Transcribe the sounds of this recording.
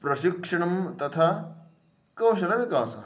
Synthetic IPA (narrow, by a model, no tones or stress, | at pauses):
pɾɐʃikʂɐɳɐmt̪ɐt̪ʰa | kɐwʃɐnɐʋikaːsɐ